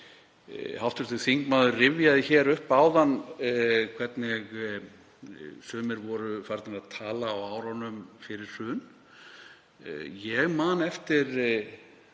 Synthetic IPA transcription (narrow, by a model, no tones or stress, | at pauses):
hawft̪ʏɾ̥t̪θʏɣθiŋkmaːðʏrɪvjaðɪçɛːɾʏhpaːwðan | kʰv̥ɛt̪nɪɣ | sœːmɪɾvɔɾʏfaɾt̪nɪɾaðt̪ʰaːlaːwaːwɾɔnʏmfɪɾɪɾ̥sʏːn | jɛɣmaːnɛft̪ɪɾ